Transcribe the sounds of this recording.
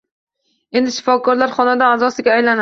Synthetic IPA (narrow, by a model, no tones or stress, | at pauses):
e̞nd̪ɪʃɪ̥fɒkʰɒɾlaɾχɒnad̪aazɒsɪɡʲaːjlana